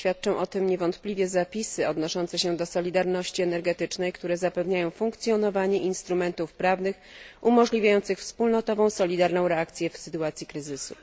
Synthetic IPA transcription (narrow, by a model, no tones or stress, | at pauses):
fʲjat̪̚t͡ʂɔ̃w̃ʔɔt̪ɘmɲɛvɔnt̪plʲivʲjɛzapʲisɘɔd̪nɔʂɔnt̪sɛɕɛd̪ɔsɔlʲid̪aɾnɔɕt͡ɕiɛnɛɾɡɛt̪ɘt͡ʂnɛjkt̪uɾɛzapɛvɲajɔ̃w̃fuŋkt̪sʲjɔnɔvaɲɛʔinst̪ɾumɛnt̪ufpɾavnɘxʔumɔʐlʲivʲajɔnt̪sɘxfspulnɔt̪ɔvɔ̃w̃sɔlʲid̪aɾnɔ̃w̃ɾɛakt̪sʲjɛfsɘt̪uat̪sʲjikɾɘzɘsṵ